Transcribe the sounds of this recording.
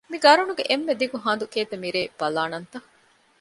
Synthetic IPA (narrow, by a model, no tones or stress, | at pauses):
miɡɐɾunuɡeʔemːed̪ikuɦãːnd̪ukeːt̪ɐmiɾeːb̥ɐlaːnɐnt̪ɐ